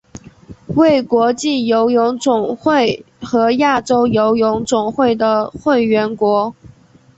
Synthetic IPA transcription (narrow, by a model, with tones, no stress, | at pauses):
we˥˩ɪkwɔ˧˥t͡ɕi˥˩jo˧˥ʊjʊ˧˥ŋt͡sʊ˨˩ŋxwe˥˩ɪ | xɤ˧˥ja˥˩ʈ͡ʂo˥ʊjo˧˥ʊjʊ˧˥ŋt͡sʊ˨˩ŋxwe˥˩ɪd̪ə˩xwe˥˩ɪɥɛ˧˥nkwɔ˧˥